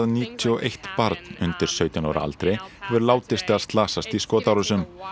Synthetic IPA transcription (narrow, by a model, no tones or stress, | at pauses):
ðniːt̪ʰʏɔʔejht̪paɾt̪nʏnt̪ɪɾ̥sœːɥt̪ʏna̰ːwɾa̰a̰lt̪ɾejɛvʏɾlaːwt̪ɪst̪aðst̪laːsast̪iskɔːt̪awɾʏsʏm